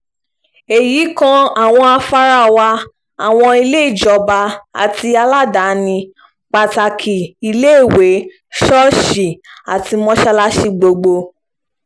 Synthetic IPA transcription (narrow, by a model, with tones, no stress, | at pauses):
e˨ji˨˦kã˦a˨w̃ɔ̃˧a˧fa˧ɾa˦˨wa˧ | a˨w̃ɔ̃˧i˧le˦i˦˨d͡ʒɔ˨ba˧a̰˨ti˧a˧la˦da˨˦nĩ˧ | k͡pa˨ta˨kʰi˨i˧le˦i˦˨we˨˦ | ʃɔ˦ʃi˨a˨ti˧mɔ̃˧˦ʃɛ˧la˦ʃi˧ɡ͡bo˧ɡ͡bo˧